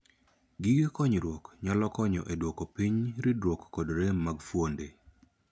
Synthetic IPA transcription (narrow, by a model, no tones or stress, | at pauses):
ɡɪɡekɔɲɾwokɲalɔkɔɲɔ̰ʔedwokopiɲɾɪdwokːɔdɾemaɡfwonde